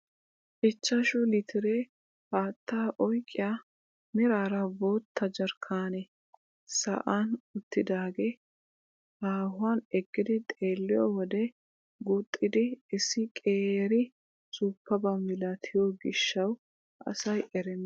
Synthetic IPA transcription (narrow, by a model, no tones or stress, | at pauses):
ʔɪt͡ʃːɐʃʊlɪt̪ʰɪɾe | haːt̪ʰːaːʔɔjkʼːɪja | mɪɾaːɾɐbo̞ːt̪ʰːɐd͡ʒɐɾkʰaːnɛ | sɐ̰ʔanʊt̪ːɪd̪aːɡe | haːhʊanɛɡːɪd̪ɪt̪ʼe̞ːlːɪjɔwɔd̪ɛ | ɡut̪ʼːɪd̪ɪɪsːɪkʼeːɾɪ | sʊpːɐbɐmɪlɐt̪ʰɪjoɡɪʃːɐw | ʔɐ̰sɐjʔɛɾɛnː